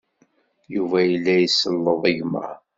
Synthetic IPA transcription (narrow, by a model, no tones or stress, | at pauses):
juvæjəlːæjəsːəlːəðˤəʝmə̰ɾ